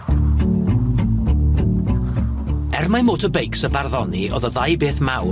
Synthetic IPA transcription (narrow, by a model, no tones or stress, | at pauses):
ɛrmamoːtʰəbejksəbarðɔniʔo̰ðəðajbeːθmaw